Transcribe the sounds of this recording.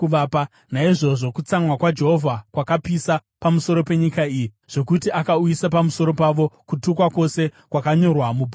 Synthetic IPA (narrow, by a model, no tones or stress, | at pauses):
uʋaːpa | naiʐo̞ʐo̞kut͡samwakwad͡ʒe̞ɦovʱakwakapisa | pamuso̞ɾo̞pe̞ɲikaiːji | ʐ̥o̞kutiʔakaujisapamuso̞ɾo̞paʋo̞kutukwako̞se̞kwakaɲo̞rwamubʱ